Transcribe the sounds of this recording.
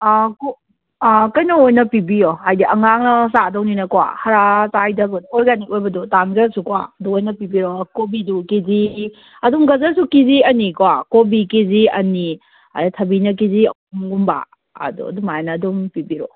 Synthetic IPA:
ko | kɐjnɐojnɐpibioajdiɐŋaŋnɐsadɔwninɐkwa̰hɐɾatajdɐɡɔnojɡaniojbɐdutanɡɐsukwa̰duojnɐpibiɾokobidukizi | ɐdumɡɐzɐsukiziɐnikowakobikiziɐ̰ni | a̰tʰɐbinɐk̬iziɐ̰ | umɡumba̰ː | dṵɐ̰dumajanɐːdumpibiɾɔ

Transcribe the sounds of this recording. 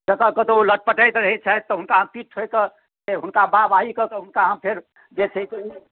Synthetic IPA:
d͡ʒək̪əkət̪oləʈ̚pəʈəjt̪ɾəɦɛt͡ʃʰat̪ːɔɦunkaɦəmpiʈʰokə | seɦʊnkababaikəkeɦʊnkaɦəmpʰeɾ | d͡ʒet͡ʃʰet̪ne

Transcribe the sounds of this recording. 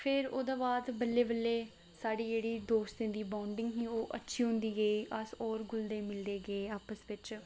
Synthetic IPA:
pʰɪɾo̰ːd̪ãːbaːd̪bəlːeːbəlːeː | saːɖiːd͡ʒeːɽiːd̪oːst̪ẽːd̪iːbaʊɳɖɪŋɡɦĩːoːʔətːʃʰiːɦʊ̃nd̪iːɡəiːʔəsɔːɾɡʊld̪eːmɪld̪eːɡəeːaːpəsʋɪt͡ʃ

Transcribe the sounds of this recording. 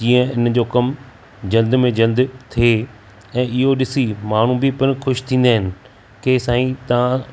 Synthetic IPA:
d͡ʑĩːə̃ɪnd͡ʑoːkɐm | d͡ʑɐld̪mẽd͡ʑɐld̪t̪ʰie | ɛ̃ːɪɦoɗɪsimaːɳ̤ũbɪpɐɾxʊʃt̪ʰĩːn̆d̪aːɦɪnɪ̆ | kesaːĩt̪ɐʋ̤ã

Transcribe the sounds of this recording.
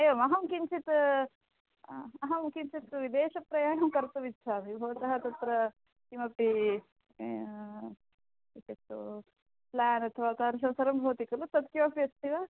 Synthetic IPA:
ɐjʋɐmɐɦɐmkint͡ʃit̪ | ɐɦɐmkiɲt͡ʃit̪ʋid̪ɛːʃɐpɾɐjaːnɐmkɐɾt̪uʋid̪t͡ʃʰaːmibʱɐʋɐt̪ɐɦɐt̪ɐt̪ɾɐ | kimɐpːi | iset̪ːu | plaːnɐt̪ʰɐʋaːkaːɾɐs̬ɐmsɐɾɐmbʱɐːt̪ikɐlut̪ɐt̪kjoːpjɐst̪ʰiʋɐː

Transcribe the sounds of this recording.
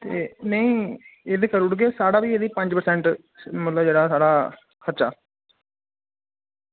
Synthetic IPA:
t̪eːnəĩːeːd̪eːkəɾʊɽɡeːsaːɽaːʋiːeːd̪iːpə̃ɲd͡ʒpəɾsɛ̃ɳʈ | mət̪ləbd͡ʒeːɽaːsaːɽaː | kʰəɾt͡ʃa̰ː

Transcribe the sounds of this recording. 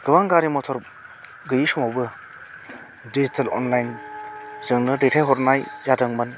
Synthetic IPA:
ɡ̥ɯbaŋɡaɾimɔtʰɔɾ | ɡɯjisɔmawbɯ | dizitʰɐlɔ̰nlajn | zɯŋnɯdetʰajɦɔɾnajzadɯŋmɯn

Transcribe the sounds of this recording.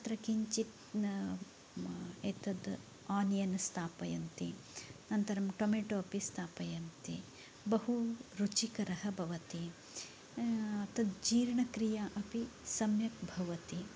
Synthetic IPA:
ɐt̪ɾɐkiɲt͡ʃit̪ | eːt̪ɐd̪ | aːnijɐnst̪ʰaːpɐjɐnt̪inɐnt̪ɐɾɐmʈomeːʈoɐpist̪ʰaːpɐjɐnt̪i | bɐɦuɾut͡ʃikɐɾɐɦɐbʱɐʋɐt̪i | ɐt̪ɐd̪d͡ʒiːɾɳɐkɾijaʔɐpisɐmjɐkbʱɐʋɐt̪i

